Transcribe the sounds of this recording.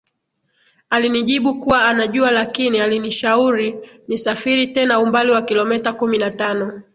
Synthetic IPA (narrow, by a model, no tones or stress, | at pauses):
aliniʄiɓukuwaanaʄualakinialiniʃauɾinisafiɾitɛnaumbaliwakilɔmɛtakuminatanɔ